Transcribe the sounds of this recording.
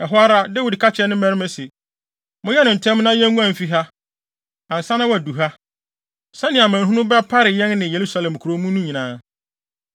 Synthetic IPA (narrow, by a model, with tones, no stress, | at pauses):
ɛ˨ɦʊ˦a˦ɾa˦dɛ˦wu˨dkʰa˦t͡ɕʰɪ˨ɛ˦nʊ̃˦mɛ˦ɾɪ˦mɛ̃˦sɪ˨ | mʊ̃˦jɛ˦nʊ̃˨n̩˨tʰɛ̃˦mnã˦jɛ̃˦ŋ˦ŋũ˦ã˨m˨fi˦ɦa˦ | ã˨n̩˨sã˦nã˦wdu˨ɦa˦ | sɛ̃˦nɪ̃˨a˨mã˨n˨ɦũ˦nʊ̃˦bɛ˦pʰa˦ɾɪ˨jɛ̃˦nnɪ̃˨je˨ɾu˦sa˦lɛ̃˨m˨kʰu˨ɾo˦mũ˦nũ˦ɲĩ˨nãː˦